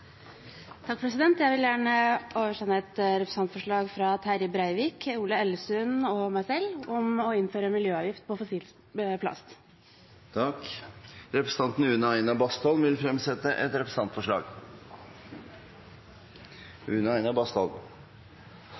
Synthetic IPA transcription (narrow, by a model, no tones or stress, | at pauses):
t̪ʰɑkfɔɾɾɛsɪd̪ɛnt̪jæɪʋɪljæːɳəʔoːʋəʂɛnːəɛt̪ɾɛpɾəsɑnt̪fɔʂɭɑːɡfɾɑt̪ʰæɾɪbɾæɪʋiːkʰuːləɛlːsʉnɔmæɪsɛlːɔmɔɪnføːɾəmɪljøːɑːʋjɪft̪pʰɔfɔsiːl | pʰlɑ̰st̪ | t̪ʰɑk | ɾɛpɾəst̪ɑnt̪n̩ʉːnəæɪnɑbɑst̪ɔlmʋɪlfɾɛmsɛt̪əʔɛt̪ɾɛpɾəsɑnt̪fɔʂɭɑ̰ːɡ | ʉːnæɪnɑbɑst̪ɔ̰l